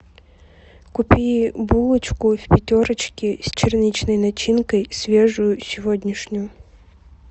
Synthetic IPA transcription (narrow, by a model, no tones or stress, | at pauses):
kʊpʲibulˠɨt͡ɕkʊfʲpʲɪtʲoɾət͡ɕkʲɪsʲt͡ɕɪrnʲit͡ɕnəjnɐt͡ɕinkəjsʲvʲeʐʊjʊsʲɪvodʲnʲɪʂnʲʊjʊ